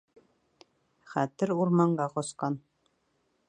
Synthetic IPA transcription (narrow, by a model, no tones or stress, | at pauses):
χæt̪ɘɾuɾmɑɴɢɑqɔsqɑn